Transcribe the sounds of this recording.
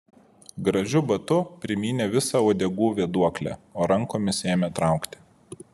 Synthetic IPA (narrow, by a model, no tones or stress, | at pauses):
ɡɾɐʒʲʊbɐt̪ʊpʲɾʲɪmʲiːnʲeːʋʲɪsɑːoːd̪ʲɛɡuːʋʲiɛd̪uɔklʲæ̰ːoːɾɐŋˑkoːmʲɪsʲeːmʲeːt̪ɾɑˑʊkt̪ʲɪ̥